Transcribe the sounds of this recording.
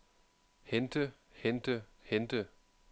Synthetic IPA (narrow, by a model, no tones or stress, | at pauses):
hend̥ə | hend̥əhend̥ə